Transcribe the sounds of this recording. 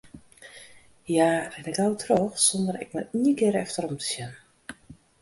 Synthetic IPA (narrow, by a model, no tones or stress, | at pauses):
jarɛnɛkawtʰrɔːxsɔndərɾɛ̰knaiəkɪəɾɛftərɔmtʰə̥sjɛn